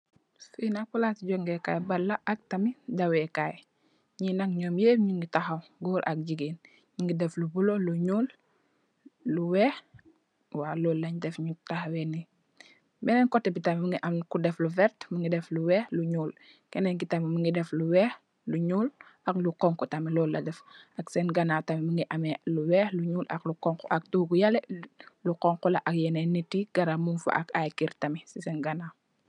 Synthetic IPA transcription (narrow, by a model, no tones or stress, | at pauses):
finak̚pulatɟɔŋɡɛka̰ːjbɐlːɐʔɐk̚tɐmidɐwɛkaːj | ɲinɐkɲɔːmjeːɲuŋɡitaxɐwɡuːɾʔɐk̚ɟiɡeːn | ɲuŋɡidɛflubulɔluɲuːl | uwɛːx | waːlɔlːɐɲdɛfɲutaxɐwɛni | bɛnɛɲkɔtːɛbitɐmiməŋɡiʔɐmkudɛfluvɛɾtməŋɡidɛfluwɛːxluɲuːl | kɛnɛɲɡitamiməŋɡidɛfluwɛx | luɲuːlɐkluqɔŋkɔtɐmilɔlːɐdɛfɐksɛnɡanaːtamiməŋɡiʔamɛluwɛːxluɲuːlʔɐ̰klukɔŋkɔʔɐk̚duɡujalɛluqɔŋkɔlɐʔɐk̚jɛnɛnitːiɡ̥ɐɾamunfa̰ʔɐ̰kajkiɾtɐmisisɛnɡana